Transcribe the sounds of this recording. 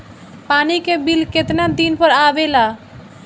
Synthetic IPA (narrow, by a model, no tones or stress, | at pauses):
panikebilket̪nad̪inpəɾabela